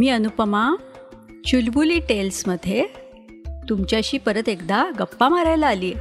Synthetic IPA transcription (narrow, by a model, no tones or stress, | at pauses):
miːənupəma | t͡ɕulbuliːʈelsməd̪ʱːje | t̪umt͡ɕjaɕiːpəɾət̪ekd̪aɡəpːamaɾajlaaliːe